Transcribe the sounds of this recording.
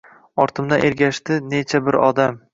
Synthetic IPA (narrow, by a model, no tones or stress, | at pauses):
ɒɾt̪ʰɪmd̪aʔe̞ɾɡʲaʃt̪ɪne̞t͡ʃʰabɪɾɒd̪am